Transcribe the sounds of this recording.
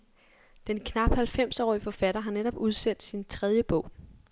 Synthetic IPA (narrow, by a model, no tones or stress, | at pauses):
d̥enkʰnɑ̈b̥hælfem̰sɒ̰ːifɒ̽fæɾ̥ɐɦɑ̈neɾ̥ɒ̽b̥uð̞ˠsen̰d̥sint͡sʰʁɛð̞ˠjəb̥ɔ̽ʊ̰